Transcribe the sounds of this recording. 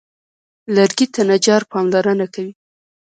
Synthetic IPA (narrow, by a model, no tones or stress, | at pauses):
laɾɡit̪anad͡ʒɑɾpɑmlɑɾənakawi